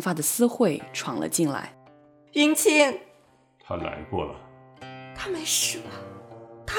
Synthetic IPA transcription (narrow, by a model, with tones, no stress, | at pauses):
fa˥d̪ə˨sɹ̩˥xwe˥˩ɪʈ͡ʂʰwɑ˨˩ŋlə̰˧t͡ɕi˥˧ŋla̰˧˥ɪ | i˥ŋt͡ɕʰi˥ŋ | t̪ʰa˦la̰˧˥ɪkwɔ̰˥˩lə̰˩ | t̪ʰa˥me˧˥ɪʂɻ̩˨˩ɐ˦t̪ʰa˥